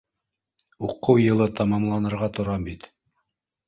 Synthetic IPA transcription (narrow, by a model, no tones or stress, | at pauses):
uqɤwjɤ̆lˠɤt̪ɑmɑmlˠɑnɤ̆ɾʁɑt̪ŏɾɑmbit̪